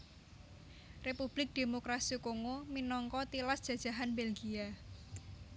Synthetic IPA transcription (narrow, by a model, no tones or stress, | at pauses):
repub̥lɪk̚d̪̥emokɾasikoŋominɔŋkɔt̪ilasd̥ʒ̥a̤d̥ʒ̥a̤ɦanbelɡia